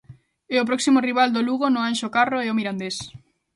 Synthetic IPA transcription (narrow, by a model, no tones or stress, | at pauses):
ɛopɾɔksimoriβ̞ald̪oluɣonʊanʃokaroɛomiɾand̪es